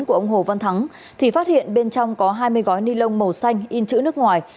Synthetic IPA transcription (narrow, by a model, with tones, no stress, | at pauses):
nku˧˩əʔə˧wŋ͡mɦo˨˩və˧nt̪ʰa˨˦ŋ | t̪ʰi˨˩faː˦˥t̚hḭ˧˨ənɓe˧nt͡ɕɔ˧wŋ͡mkɔ˨˦ɦaː˧jmɨ˧əjɣɔ˨˦jni˧lə˧wŋ͡mmə˨˩wsa˧jŋ̟ʔi˧nt͡ɕɨ̰˧˥nɨ˦˥ək̚ŋwaː˨˩j